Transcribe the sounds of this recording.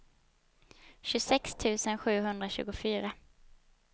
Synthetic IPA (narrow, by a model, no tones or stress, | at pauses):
ɕɵsɛkst̪ʰʉ̟ːsənɧʉ̟ːɦɵnd̪ɾaɕʉ̟ːɡʊfyːɾa